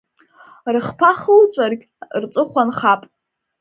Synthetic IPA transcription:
rɨχpʰaχəlt͡sʷʼarɡʲ | rt͡sʷʼɨχʷanχapʼ

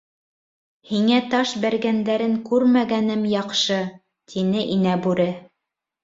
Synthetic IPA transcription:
hiŋæt̪ɑʃbæɾɡænd̪æɾɘŋkʉɾmæɡænɘmjɑqʃɤ | t̪ʰinɘʔinæbʉɾɘ

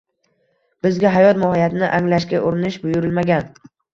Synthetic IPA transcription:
b̥ɪzɡʲaɦajɒt̪mahajat̪ɪnɪʔaŋlaʃkʲaʔʊɾɪnɪʃbʊjʊɾɪlmaɡʲan

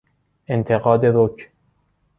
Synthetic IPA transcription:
ʔent̪ʰe̞ɣɒːd̪eɾokʰ

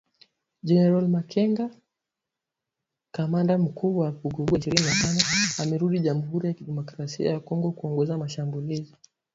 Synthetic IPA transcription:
d͡ʒɛnɛɾalmakʰɛŋɡa | kamandam̩kʰuɓwaakuɡuɡwaʃiɾininatanɔamɛɾuɗiʄamuɦuɾijakiɗɛmɔkɾasia̰jakɔŋɡɔkuɔŋɡɔzamaʃambulizi

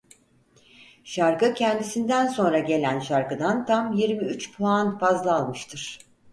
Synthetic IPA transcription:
ʃaɾkɯcʰɛnd̪isind̪ænso̞nɾaɟe̞lʲænʃaɾkɯd̪ant̪ʰamjiɾmiyt͡ʃpʰlanfazlˠɯalˠmɯʃt̪ʰɯɾ̥

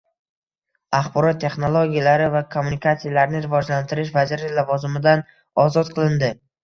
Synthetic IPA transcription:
aχbɒɾɒt̪ʰːe̞χnolˠoɡʲijalaɾɪvakʰomːunikat̪sijalaɾnɪɾɪvɒd͡ʒlant̪ʰɪɾɪʃ̬vazɪɾɪlavɒzɪmɪd̪an | ɒzɒt̪qʰɨlˠɪnd̪ɪ

